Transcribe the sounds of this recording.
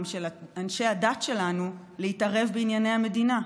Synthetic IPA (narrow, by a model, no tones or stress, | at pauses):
mʃelaanʃe̞adatʃe̞lanu | leitaʁe̞vbeinjanejhame̞dina